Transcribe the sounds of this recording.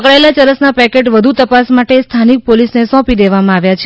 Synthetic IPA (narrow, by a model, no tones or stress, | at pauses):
kɭaelat͡ʃəɾəsnapɛkeʈʋəd̪ʱut̪əpasmaʈest̪ʰanik̚polisnesɔ̃pid̪eʋamãaʋjat͡ʃʰe